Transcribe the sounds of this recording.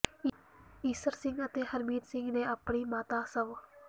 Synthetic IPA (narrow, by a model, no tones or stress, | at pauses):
iːsəɾsɪ̃ŋɡət̪eːhəɾmiːd̪sɪ̃ŋɡnẽːəpɳiːmaːt̪aːsəʋ